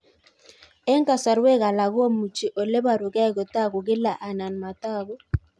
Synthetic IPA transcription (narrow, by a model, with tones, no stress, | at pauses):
ɛ˦ŋ˦ka˨sa˨ɾwe˦ɣa˨la˨ɣo˦mu˨t͡ʃi˨ʔɔ˨le˦ba˨ɾʊ˨ɡɛ˦˨kɔ˨ta˦˨ɡʊ˨ɡɪ˦la˨ʔa˨na˨nma˨ta˦˨ɣo˦